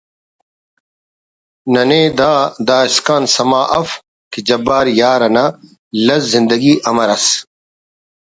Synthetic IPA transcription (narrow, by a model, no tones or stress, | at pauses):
nɐneːd̪aːd̪aːiskaːnsɐmaːʔɐf | kid͡ʑɐbaːɾjaːɾɐnɐ | lɐzːĩnd̪ɐɡiːʔɐmɐɾɐs